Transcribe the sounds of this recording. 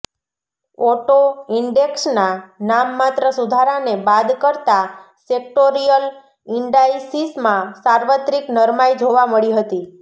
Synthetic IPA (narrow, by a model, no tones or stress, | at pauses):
ɔʈoɪɳɖeksnanamːat̪ɾəsud̪ʱaɾanebad̪kəɾt̪a | sek̚ʈoɾijəl | ɪɳɖajsismãsaɾʋət̪ɾiknəɾmajd͡ʒʱoʋaməɭiɦət̪i